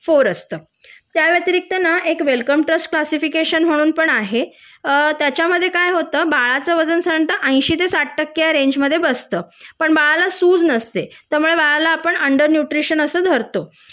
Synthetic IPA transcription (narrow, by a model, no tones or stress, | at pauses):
foɾəst̪əː | t̪jaʋjet̪iɾik̚t̪ənaʔekʋelkəmʈɾəsʈ̚klasifikeɕənm̤əɽ̃uːnpəɳaɦe | t̪jat͡ɕjaməd̪ʱːjekajɦot̪əːbaɭat͡səʋəd͡zənsəəɳʈ̪əʔə̃j̃ɕiːt̪esaʈːəkːjaɾeɲd͡ʑməd̪ʱːjebəst̪əːpəɳbaɭalasuːd͡znəst̪et̪jaɾmuɭebaɭalaːpəɳəɳɖəɾnjuʈɾiɕənəsəːd̪ʱəɾt̪o